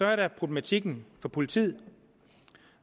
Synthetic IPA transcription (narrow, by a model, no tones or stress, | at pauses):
sɒɐɾæpʰʁob̥lemæt͡sʰiɡ̥n̩fɒ̽pʰo̝lit͡sʰḭð̰ˠ